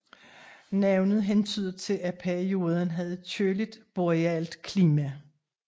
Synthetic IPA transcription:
næʊnəð̩ˠɦent͡sʰy̰ːð̰ˠɐt͡sʰe̝læpʰæɐio̝ːð̞ˠənɦæð̩ˠt͡sʰølid̥b̥oʁiɛld̥kʰliːmæ

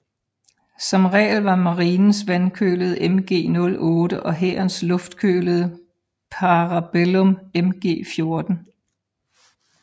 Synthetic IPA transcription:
sɒ̽mʁɛ̰ːlʋɑ̈mɑ̈ʁiːnn̩sʋænkʰø̰ːləð̞̩ˠʔemɡ̥e̝̰ːnɔ̽lɔ̽ːd̥əʔɒ̽ɦeɐnslɔ̽fd̥kʰø̰ːləð̩ˠ | pʰɑ̈ʁɑb̥elɔmemɡ̥e̝̰ːfjo̝ɐd̥n̩

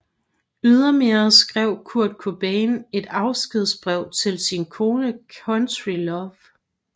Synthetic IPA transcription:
yð̞ˠɐmeɐsɡ̥ʁɛʊ̰kʰuɐ̰d̥̚kʰob̥ene̝d̥ɑ̈ʊsɡ̥ið̞ˠsb̥ʁɛʊ̰t͡sʰe̝lsinkʰo̝ːnəkʰɔnt͡sʁilɒʋ

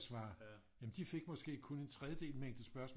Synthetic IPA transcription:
sʋɑ̈ː | jæmnd̥ife̝ɡ̥mɒ̽sɡ̥e̝̰ːkʰo̽ne̝nt͡sʰʁɛðjəd̥e̝̰ːlmeŋ̰d̥əsb̥ɶɐsmɔ̰

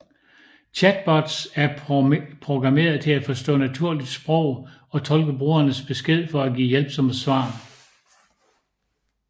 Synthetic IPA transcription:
t͡ɕʰæd̥̚b̥ɒd̥sæɐpʰʁo̝ɡ̥ʁɑ̈me̝̰ːɐð̞̩ˠt͡sʰe̝æfɒ̽sd̥ɔ̰̽ːnæt͡sʰuɐ̰lid̥sb̥ʁɔ̽ʊ̰ | ɒ̽t͡sʰɒ̽lɡ̥əb̥ʁuːɐnəsb̥e̝sɡ̥e̝ð̞̰ˠfɒ̽æɡḭːjelb̥sɒ̽məsʋɑ̈ː

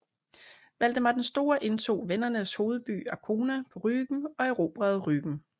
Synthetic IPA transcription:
ʋæl̰d̥əmɑ̈ɪd̥ensd̥o̝ːɐʔe̝nt͡sʰo̝̰ːʋenɐnəsho̝ːð̞̩ˠb̥y̰ːækʰo̝ːnæpʰɒ̽ʁyːɡ̥ŋ̩ɒ̽eʁo̝ːb̥ʁɛð̩ˠʁyɡ̥ŋ̩

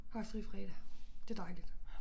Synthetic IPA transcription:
hɑ̈sʁifʁɛːɾ̥æd̥e̝d̥ɑ̈ɪlid̥

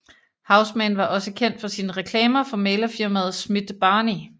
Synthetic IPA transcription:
hɑ̈ʊsmænʋɑ̈ʔɒ̽səkʰen̰d̥fɒ̽sinəʁɛkʰlɛːmɐfɒ̽meːlɐfiɐmæð̞̩ˠsmid̥b̥ɑ̈ːni

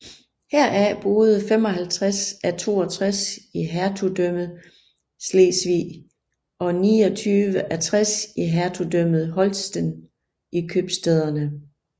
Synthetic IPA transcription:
hæɐ̰ʔæb̥o̝ːð̩ˠəfem̰ɒ̽ɦælt͡sʰʁasæt͡sʰo̝̰ːɒt͡sʰʁasiɦæɐt͡sʰud̥øm̰ð̩ˠ | sleːsʋḭː | ɒ̽niːɒ̽t͡sʰyːʋəʔæt͡sʰʁasiɦæɐt͡sʰudøm̰ð̞̩ˠɦɒ̽lsd̥ən | ikʰøb̥sd̥eð̞ˠɐnə

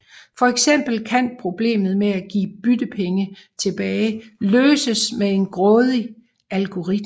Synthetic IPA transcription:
fɒ̽eɡ̥sem̰b̥l̩kʰænpʰʁo̝b̥le̝̰ːmð̞̩ˠmeæɡ̥ḭːb̥yd̥əpʰeŋə | t͡sʰe̝b̥ɛːɪløːsəsmee̝nɡ̥ʁɔ̽ːð̞ˠi | ælɡ̥o̝ʁid̥m

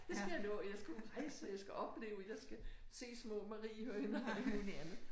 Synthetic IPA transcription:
d̥esɡ̥æjɑnɔ̰ːjɑ̈ɪsɡ̥æʁɑ̈ɪsəjɑɪsɡ̥æʔɒ̽b̥le̝̰ːʊɒjɑ̈ɪsɡ̥æse̝̰ːsmɔ̰̽ːmɑʁḭːhøɐenɐæd̥emoniænð̩ˠ

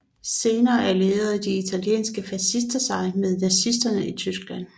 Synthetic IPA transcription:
se̝ːnɐːʔæɐle̝ːɐð̩ˠd̥iit͡sʰæljḛːnsɡ̥əfæsisd̥ɐsɑ̈ɪmeð̞ˠnæsisd̥ɐnəit͡sʰysɡ̥læn̰

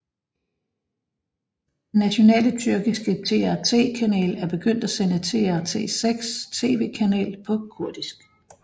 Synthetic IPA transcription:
d̥enæɕo̝nɛ̰ːlət͡sʰyɐɡ̥isɡ̥ət͡sʰe̝æɐt͡sʰe̝̰ːkʰænɛ̰ːlæɐb̥e̝ɡ̥øn̰d̥æsenət͡sʰe̝̰ːæɐt͡sʰe̝̰ːseɡ̥st͡sʰe̝̰ːʋe̝̰ːkʰænɛ̰ːlpʰɒ̽kʰuɐd̥isɡ̥

